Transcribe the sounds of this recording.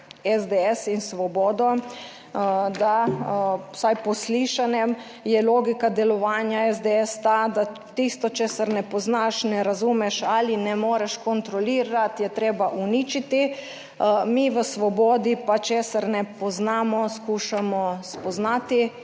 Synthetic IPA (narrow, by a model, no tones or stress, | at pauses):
ɛzd̪eɛsinsʋɔbɔːd̪ɔ | d̪a | sajpɔsliʃanɛm | jɛloːɡikad̪ɛlɔʋaːnjaɛzd̪eɛst̪ad̪a | t̪ist̪ɔt͡ʃeːsaɾnɛpɔznaʃnɛɾazumɛʃalinɛmoːɾɛʃkɔnt̪ɾɔliːɾat̪jɛt̪ɾeːbaʔunit͡ʃit̪i | miʋəsʋɔbɔːd̪ipat͡ʃeːsaɾnɛpɔznaːmɔskuːʃamɔspɔznaːt̪i